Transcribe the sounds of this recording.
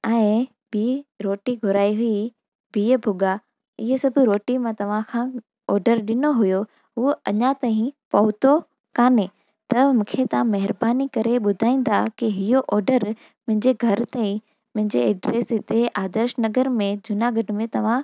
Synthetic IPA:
ɛ̃ɪ | biːɾoːʈiɡʱʊɾaːiɦʊi | biːbʱʊɡa | ɪɦesɐbʱɾoːʈimãt̪ɐʋ̤ãkʰã | ɔːɾɖəɾɗɪnoɦʊjo | ɦʊɐɲat̪aːɦĩpɐɦʊt̪o | kaːne | t̪ɐmũːkʰet̪ɐʋ̤ãmɐɦɪɾbaːnikɐɾeɓʊd̪ʱaːĩːn̆d̪akiɦɪjoʔɔːɾɖəɾ | mʊ̃ɦɪ̃ɲd͡ʑeɡʱɐɾt̪aːĩ | mʊ̃ɦɪ̃ɲd͡ʑeɛɖɾeːsɦɪt̪eʔaːd̪əɾʃnɐɡəɾmẽd͡ʑʊnaɡʱɐɖɪ̆mẽt̪ɐʋ̤ã

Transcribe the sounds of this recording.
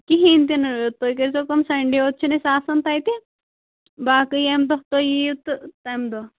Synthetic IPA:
kiɦiːnt̪inɾt̪ːoːjkɐɾsokɐmsɐɳɖioːt̪̚t͡ʃʰinɐsaːsɐnt̪aːjt̪i | baːkɨjemd̪ɔt̪ojiut̪ɨt̪ɐmd̪o

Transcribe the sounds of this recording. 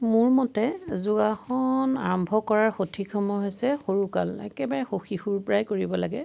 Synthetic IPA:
mʊɹmɔtɛzuɡaxɔna̰ɹɔmbʱɔkɔɹaɹxotʰikʰɔmɔɦojsɛxoɹukalɛ̰kɛbaɹɛxoxixuɹpɹajkoɹibɔlaɡɛ

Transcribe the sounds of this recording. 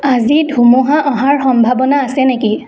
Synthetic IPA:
azidʱumuɦaʔɔɦaɹxɔmbʱabɔnaːsɛneki

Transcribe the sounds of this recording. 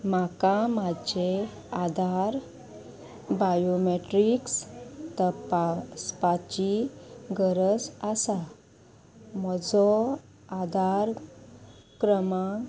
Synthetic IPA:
makamad͡ʑe | ad̪aɾ | bajomeʈɾikst̪əpaspat͡ɕiɡəɾəsasa | mɔd͡zɔ | ad̪aɾ | kɾəmã

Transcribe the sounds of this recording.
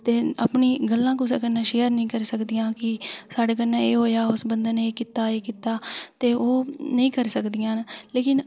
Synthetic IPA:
t̪eːə̰pɳiːɡəlːãːkusaːkənːãːʃeːəɾnəĩːkəɾsəkd̪ijãːkɪsaːɽeːkənːãːeːɦoːjaːʊsbənd̪əːneːkiːt̪aːeːkiːt̪aːt̪eːʔoːnəĩːkəɾsəkd̪ɪjãːnleːkɪn

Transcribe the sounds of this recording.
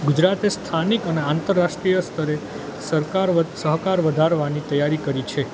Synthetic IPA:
ɡud͡ʒɾat̪est̪ʰanikəneant̪əɾːaʃʈɾijəst̪ʰəɾe | səɾkaɾsəɦkaɾʋəd̪ʱaɾʋanit̪əjaɾikəɾit͡ʃʰe

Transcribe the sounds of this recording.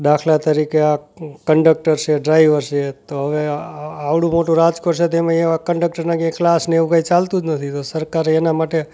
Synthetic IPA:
ɗ̪akʰlat̪əɾikeakəɳɖək̚ʈəɾt͡ʃʰeɖɾaiʋəɾt͡ʃet̪oɦəʋeaʋɭũmoʈũɾad͡ʒkoɾt͡ʃʰet̪emãeʋakəɳɖək̚ʈəɾnaɡjãklasneʋũkait͡ʃalt̪ũd͡ʒnət̪ʰit̪osəɾkaɾeːnamaʈe

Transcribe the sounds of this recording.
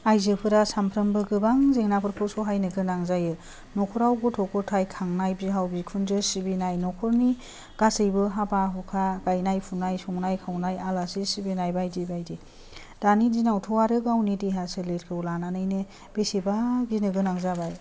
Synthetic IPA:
ajzɯpʰɯɾasampʰɾɯmbɯɡɯbaŋzeŋnapʰɯɾkʰɔsɔɦajnɯɡɯnaŋzajɯ | nɔkʰɔɾawɡɔtʰɔkʰɔtʰajkʰaŋnajbiɦawbikʰunzɯsibinajnɔkʰɔɾni | ɡ̥asɯjbɯɦabaɦɔkʰaɡajnajpʰunajsɔŋnajkʰawnajalasisibinajbajdibajdi | d̥anidinawtʰɔwaɾɯɡawnidiɦasɯleɾkʰɯwlananɯjnɯ | b̥esibaɡinɯɡɯnaŋzabaj

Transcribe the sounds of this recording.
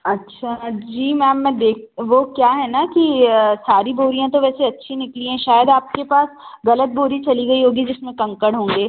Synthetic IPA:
ɐtːʃʰad͡ʒiːmɛːmːɛ̃d̪eːk̚ʰʋokjaːɦɛnakisaːɾiboːɾijãt̪oʋɛːseɐtːʃʰinɪkliɦɛ̃ʃaːjəd̪aːp̚kepaːsɣɐlət̪̚boːɾit͡ʃɐliɡɐiɦoːɡid͡ʒɪsmẽkɐ̃ŋkəɽɦõːŋɡeː

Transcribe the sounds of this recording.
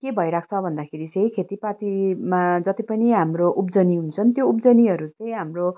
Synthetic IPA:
kebʱʌjɾak̚ʰt͡sʰʌbʱʌnd̪akʰeɾit͡sʌj̃kʰet̪ipat̪imad͡zʌt̪ipʌniɦamroʔup̚d͡zʌniɦunt͡sʰʌnt̪joupd͡zʌniɦʌɾut͡sʌj̃ɦamro

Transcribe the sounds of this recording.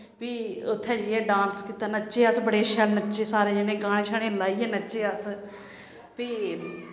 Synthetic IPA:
piːʊt̪ʰːeːd͡ʒiɛ̃ːɖãːnskiːt̪aːnəːt͡ʃeːəsbəɽeːʃɛlnəʃeːsaːɾeːd͡ʒenẽːɡaːɽ̃eːʃʰaːɽẽːlaːiːɛːnəːʃeːəs | piː

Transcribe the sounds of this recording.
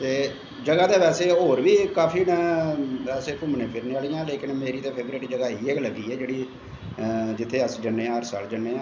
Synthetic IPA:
t̪eː | d͡ʒəɡaːd̪eːʋɛːseːɦoːɾʋiːkaːpʰiːnɛ̃ːɛːseːkʊmnẽːpʰɪɾneaːlijãːleːkɪnmeːɾiːt̪eːpʰeːbɾeːʈd͡ʒəɡaːiːeːkləɡiːɛːd͡ʒeːɽiː | d͡ʒɪt̪ʰːeːəsd͡ʒəɳːẽːãːɦəɾsa̰ːld͡ʒəɳːẽːãː

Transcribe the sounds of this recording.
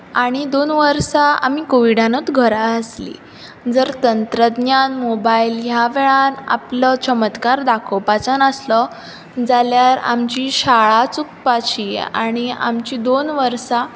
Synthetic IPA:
aɽ̃id̪onʋəɾsaa̰m̤ikoʋiɽanət͡s̪ɡʱəɾaəslḭ | d͡zəɾt̪ənt̪ɾəd̪njanmobailɦjaʋeɭana̰plət͡ɕəmət̪kaɾd̪akʰopat͡sənəslə | d͡zaljaɾa̰mt͡ɕiɕaɭat͡suk̚pat͡ɕia̰ɽ̃ia̰mt͡ɕiːd̪onʋəɾsa

